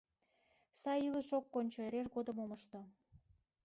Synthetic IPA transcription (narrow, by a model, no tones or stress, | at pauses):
sɑjiləʃokːonʲt͡ɕoeɾeʃɡod̪əmoməʃt̪o